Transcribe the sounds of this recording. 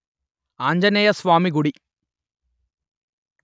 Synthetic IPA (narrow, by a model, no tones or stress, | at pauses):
aːɲd͡ʒɐnejɐsʋaːmiɡuɽi